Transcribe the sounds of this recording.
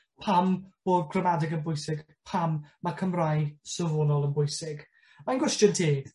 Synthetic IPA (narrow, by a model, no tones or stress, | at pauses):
pʰamb̥oːd̚ɡʰrəmadɪɡənbʊjsɪɡ̥ | pʰamːakʰəmrajsəvɔnɔlˠənbʊjsɪɡ̥ | manɡwɛstjəntʰi̥ː